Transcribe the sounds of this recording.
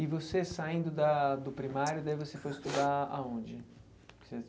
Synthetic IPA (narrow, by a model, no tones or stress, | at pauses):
ɪvosesaĩnd̪ʊd̪ɐd̪ʊpɾimaɾjʊd̪aivosefojɪst̪ud̪aa̰õd͡ʒɪ | se